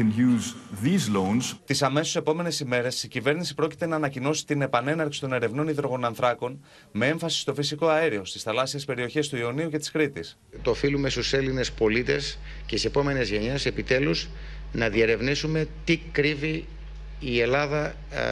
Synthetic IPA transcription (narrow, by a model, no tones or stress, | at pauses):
ə̃njuːzðizlõnzt̪isɐme̞sose̞po̞me̞ne̞sime̞ɾe̞sicive̞ɾnisipɾo̞ci̥t̪e̞nɐːnɐcino̞si̥t̪ine̞pɐne̞nɐɾksi̥t̪o̞ne̞ɾe̞vno̞niðɾo̞ɣo̞nɐnθɾɐko̞n | me̞e̞ɱfɐsi̥st̪o̞fisiko̞ɐeɾio̞st̪isθɐlɐsiespe̞ɾio̞çe̞st̪uio̞niuce̞t̪i̥skɾit̪is | t̪oːfilume̞st̪use̞line̞spo̞lit̪e̞s | cetise̞po̞me̞ne̞zʝe̞ɲese̞pit̪e̞luz | nɐðie̞ɾe̞vnisume̞t̪ikɾiviː | e̞lɐðɐ